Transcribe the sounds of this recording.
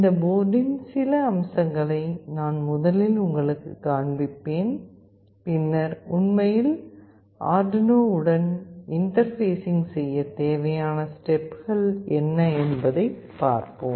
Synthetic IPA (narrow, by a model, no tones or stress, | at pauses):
ɪnd̪ɐboːɖɪnsɪlɐːmsɐŋɡɐɭɐɪnaːnmʊðɐlɪlʊŋɡɐɭɯkːɯ̰kːaːɳbɪpːeːn | pɪnːɐɾʊnmɐjɪl | a̰ːɖnoːʊɽɐnɪnʈɐɾfeːsɪŋɡsɛjːɐt̪eːʋɐjaːnɐsʈɛpɣɐɭɛnːɐɛnbɐðɐɪpːa̰ːɾpɯm